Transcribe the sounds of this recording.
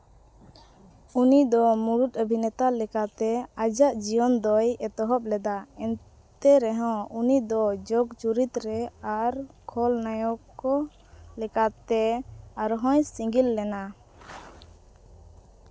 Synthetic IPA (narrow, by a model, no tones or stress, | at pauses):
unid̪ɔmuɾut̪̚əbʱinɛt̪alɛkat̪ɛad͡ʒaʔd͡ʒiɔnd̪ɔjɛt̪ɔɦɔp̚lɛd̪aɛn | t̪ɛɾɛɦɔ̃unid̪ɔd͡ʒɔɡt͡ʃuɾit̪ɾɛaɾkʰɔlnajɔkɔ | lɛkat̪ɛaɾɦɔ̃jsiŋɡilːɛna